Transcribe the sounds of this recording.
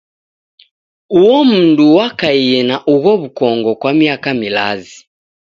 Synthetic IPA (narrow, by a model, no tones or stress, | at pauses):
uwɔm̩nduwakaiɛnaʔuɣɔβukɔŋɡɔkwamiakamila̰zi